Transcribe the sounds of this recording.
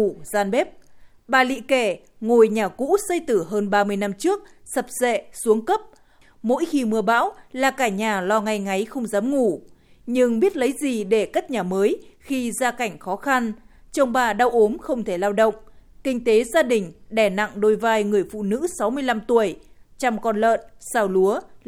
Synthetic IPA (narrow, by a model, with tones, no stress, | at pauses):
zaː˧nɓe˦˥p̚ | ɓaː˨˩lḭ˧˨ke˧˩ | ŋo˨˩jɲaː˨˩kṵ˧˥sə˧jt̪ɨ˧˩ɦəː˧nɓaː˧mɨ˧əjna˧mt͡ɕɨ˦˥ək̚sə˨˩p̚zḛ˧˨su˨˦əŋkə˦˥p̚ | mo̰˧˥jxi˧mɨ˧əɓa̰ː˧˥wlaː˨˩kaː˧˩ɲaː˨˩lɔ˧ŋa˧jŋa˨˦jxə˧wŋ͡mzaː˨˦mŋu˧˩ | ɲɨ˧ŋɓi˦˥ət̚lə˨˦jzi˨˩ɗe˧˩kaː˦˥k̚ɲaː˨˩məː˨˦jxi˧zaː˧ka˧˩jŋ̟xɔ˨˦xa˧n | t͡ɕə˧wŋ͡mɓaː˨˩ɗa˧wʔo˨˦mxə˧wŋ͡mt̪ʰe˧˩laː˧wɗə̰˧˨wŋ͡mkï˧ŋ̟t̪e˨˦zaː˧ɗï˨˩ŋ̟ɗɛ˧˩na̰˧˨ŋɗo˧˩jvaː˧jŋɨ˨˩əjfṵ˧˨nɨ̰˧˥sa˨˦wmɨ˧əjla˧mt̪u˧˩əjt͡ɕa˧mkɔ˧nlə̰ː˧˨nsaː˧wlu˨˦ə